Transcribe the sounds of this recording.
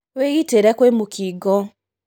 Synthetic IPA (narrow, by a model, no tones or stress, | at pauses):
weɣiteɾɛkwemukʰiɡɔ